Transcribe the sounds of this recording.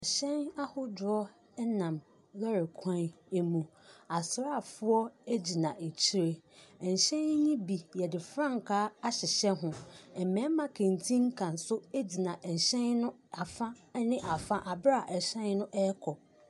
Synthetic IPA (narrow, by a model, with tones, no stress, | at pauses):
ɛ˨ɕɛ̃˦na˦hʊ˦dʊ˨ɔ˦ | nã˨m | lɛ˦ɾɪ˨kʰã˦n | e˦mũ˨a˨sɾa˦˨fʊ˦ɔ˦e˦d͡ʑi˨nã˨e˨t͡ɕʰi˦ɾe˦ɛ˨ɲ̩˨ɕɛ̃˦n˦ɲĩ˦bi˨jɛ˨dɪ˨fɾã˦ŋ˨kʰaː˦a˦ɕɪ˨ɕɛ˦ɦʊ̃˨ɛ˨mɛ̃˨˦mã˦kʰẽ˨n˨tʰĩ˦ŋ˦kʰã˨n̩˨sʊ˦e˦d͡ʑi˨nã˨ʔ̩˨ɕɛ̃˦nnʊ̃˦ | a˨fã˦nɪ̃˦ʔa˨fã˦ʔa˨bɾa˦˨ʔɛ˨ɕɛ̃˦nnʊ̃˦ʔɛ˦ɛ˦kʰɔ˨